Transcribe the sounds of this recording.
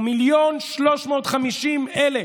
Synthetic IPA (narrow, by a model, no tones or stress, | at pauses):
miljonʃloʃmo̞ːt̪χamiʃimʔele